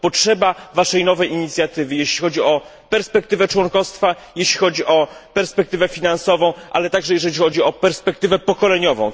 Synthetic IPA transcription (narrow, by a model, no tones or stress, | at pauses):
pɔtʂɛbavaʂɛjnɔvɛjiɲit̪sʲjat̪ɘvɘjeɕlʲixɔd͡ʑiɔ | pɛɾspɛk̚t̪ɘvɛt͡ʂwɔŋkɔst̪fa | jeɕlʲixɔd͡ʑiʔɔpɛɾspɛkt̪ɘvɛfʲinansɔvɔ̃w̃ʔa̰lɛt̪aɡʐɛjɛʐɛlʲixɔd͡ʑiɔpɛɾspɛkt̪ɘvɛpɔkɔlɛɲɔvɔ̰̃w̃